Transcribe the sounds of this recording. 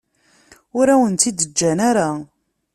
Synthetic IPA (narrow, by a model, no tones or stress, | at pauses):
ʊɾæwənt̪id̪əd͡ʒːænaɾa